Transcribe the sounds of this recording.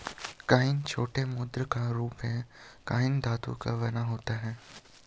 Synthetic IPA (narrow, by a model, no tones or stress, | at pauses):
kaːɪnt͡ʃʰoːʈemʊd̪ɾəkaɾuːpɦɛ̃kaːɪnd̪aːt̪ṵkaʋɐnaɦoːt̪aɦɛː